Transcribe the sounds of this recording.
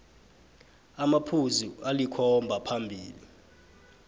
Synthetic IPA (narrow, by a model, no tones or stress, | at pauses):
amapʰuzualikʰɔmbʱapʰambʱiːli